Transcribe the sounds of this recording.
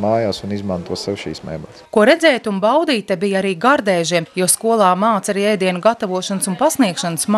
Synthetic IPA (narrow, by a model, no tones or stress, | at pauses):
maːjaːsunizmant̪uɔsɛwʃḭːsmɛ̰jmat̪skuɔɾɛd̪zɛːjt̪unbawd̪iːt̪abijaɾiːɡaɾd̪ɛːʒiɛmjuɔskuɔlˠɑːmaːt̪saɾiːɛjd̪iɛnuɡat̪avuɔʃansunpasniɛkʃanəsm